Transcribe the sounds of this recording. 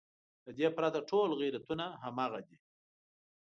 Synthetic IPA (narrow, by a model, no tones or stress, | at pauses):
d̪əd̪epɾat̪aʈʰolɣiɾat̪unaɦamɑɣad̪i